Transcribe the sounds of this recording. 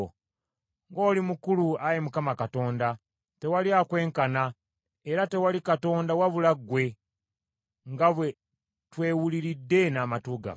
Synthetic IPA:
ŋɡo̞ːlimukuluajemukamakato̞ːnda | te̞waliakwe̞ːŋkana | eɾate̞walikato̞ːndawaβulaɡwe̞ | ŋɡaβwe̞ | twe̞ːwuliɾidːe̞naːmatuɡa̰

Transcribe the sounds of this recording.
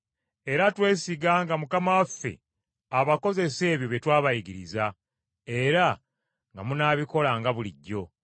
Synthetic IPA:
e̞ɾatwe̞ːsiɡaːŋɡamukamawafːe̞̰ | aβako̞ze̞se̞ːβjo̞βjetwaːβajiɡiɾiza | e̞ɾa | ŋɡamunaːβiko̞laŋɡaβuliɟːo̞

